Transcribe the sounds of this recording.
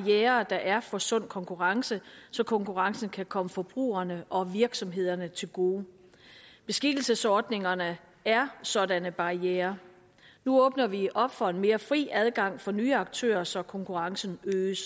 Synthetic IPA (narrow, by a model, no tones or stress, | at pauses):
ieːɐd̥ɑʔæɐfɒ̽sɔ̽n̰kʰɒ̽ŋkʰuʁɑ̈ŋsəsɒ̽kʰɒ̽ŋkʰuʁɑ̈ŋsn̩kʰækʰɒ̽məfɒ̽b̥ʁṵːɐnəʔɒ̽ʋiɐɡ̥sɒ̽mɦe̝ð̞̰ˠɐnət͡sʰe̝lɡ̥o̝ː | b̥e̝sɡ̥id̥l̩səsɒːd̥ne̝ŋɐnə | æɐsɒ̽dænəb̥ɑ̈ieːɐ | nuɔ̽ːb̥nɐʋiʔɒ̽b̥fɒ̽e̝nme̝ːɐfʁḭːʔæð̞ˠɡ̥ɑ̈ŋ̰fɒ̽nyːɑ̈ɡ̥̚t͡sʰø̰ːɐsɒ̽kʰɒ̽ŋkʰuʁɑ̈ŋsn̩øːs